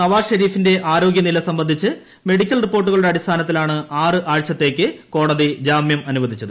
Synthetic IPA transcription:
nɐʋaːʂɐɾiːfinde̞ʔaːɾo̞ːɡjɐnilɐsɐmbɐnd̪ʱit͡ɕːɨ | me̞ɽikʲːɐlripːo̞ːrʈːuɣɐɭuɽe̞ɐɽist̪ʰaːnɐt̪ːilaːɳɨaːrɨʔaːɻt͡ɕːɐt̪ːe̞ːkʲːɨko̞ːɽɐðid͡ʑaːmjɐmɐnuʋɐd̪ʱit͡ɕːɐðɨ

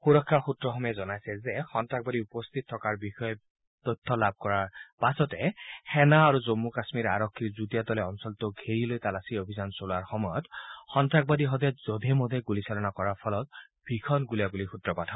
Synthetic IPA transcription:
xuɹɔkʰːaxutɹɔxɔmɛzɔnajsɛzɛxɔntɹak̚badiupɔst̪ʰit̚ʰɔkaɹbixɔjɔ | tɔtʰːɔlab̚ʱkɔɹaɹpasɔtɛxɛnaːɹuzomːukasmiɹa̰ɹɔkʰːiɹzutiatɔlɛɔnsɔltʊɡʱeɹilojtalasiobʱizansolaɹxɔmɔjɔtxɔntɹak̚badiɦɔdɛjzodʱɛmɔd̪ʱɛɡulisalɔnakɔɹaɹpʰɔlɔt | b̥ʱɹikʰɔnɡuliabulixutɹɔpatʰa

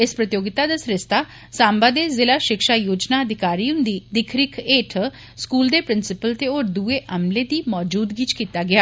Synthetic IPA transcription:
ɪspɾət̪ɪjoːɡɪt̪aːd̪aːsɾɪst̪aː | sãːmbaːd̪eːzɪlaːʃɪkʃaːjoːd͡ʒnaəd̪ʱɪkaːɾiːʊ̃nd̪iːd̪ɪkʰɾɪkʰeːʈʰ | skuːld̪eːpɾɪnsɪpəlt̪eoːɾd̪uːeːʔəmleːd̪iːmɔːd͡ʒuːd̪ɡiːt͡ʃkiːt̪aːɡɪaː

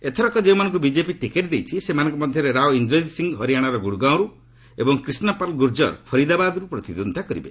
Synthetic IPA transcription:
et̪ʰɔɾɔkɔd͡ʒew̃manɔ̃ŋk̬ubid͡ʒepiʈikeʈd̪ejt͡ʃʰisemanɔŋkɔmɔd̪ʱjɔɾeɾawind̪ɾɔjd̪siŋɡɦɔɾijaɽ̃aɾɔɡuɽuɡãw̃ɾu | ebɔŋkɾisnɔpalɡuɾd͡ʒɔ̰ɾpʰɔɾid̪abad̪ɔɾupɾɔt̪id̪ond̪ʱakɔɾibe

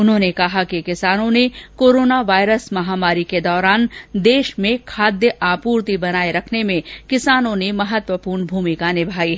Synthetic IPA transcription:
ʊnɦõnekɐɦakikɪsaːnõnekoːɾoːnaʋaːjɾəsmɐɦaːmaːɾiked̪ɔːɾaːnd̪eːʃmẽkʰaːd̪jəʔaːpuːɾt̪ibɐnaːeɾɐkʰnemẽkɪsaːnõnemɐɦət̪ʋəpuːɾnbʱuːmikanɪbʱaːiɦɛ

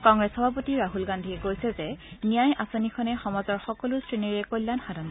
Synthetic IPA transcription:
kɔŋɡɹɛsxɔbʱapotiɹaɦulɡandʱiɛɡojsɛzɛnijajasonikʰɔnɛxɔmɔzɔɹxɔkɔlʊstɹiniɹɛkojlːanxadʱɔn

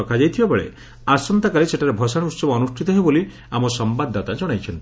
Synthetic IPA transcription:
ɔkʰad͡ʒajt̪ʰibapɔɭḛ | asɔnt̪akaliseʈʰaɾebʱɔsaɽ̃iut̪sɔbɔːnusʈʰit̪ɔɦeboli | amɔsɔmbad̪ːat̪ad͡ʒɔɽ̃ajt͡ʃʰɔnt̪i

